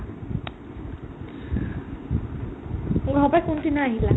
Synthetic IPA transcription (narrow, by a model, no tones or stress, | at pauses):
ɡʱapajkuntinaɦila